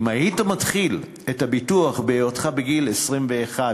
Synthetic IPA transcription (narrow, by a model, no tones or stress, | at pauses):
mahitamatχil | ethabituaχbeejotχabeɡilesʁimveːχa